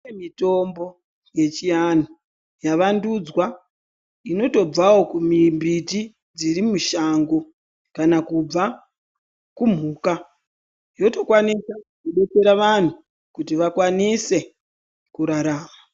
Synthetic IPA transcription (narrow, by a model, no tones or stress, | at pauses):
emito̞mbo̞ | je̞t͡ʃijano | jaʋandud͡zwa | ino̞to̞b͡vawo̞kumimbiti | d͡ziɾimuʃaŋɡo̞ | kanakub͡va | kum̤uːka | jo̞to̞kwanisakuɓe̞t͡se̞ɾaʋan̤u | kutiʋakwanise̞ | kuɾaɾaːma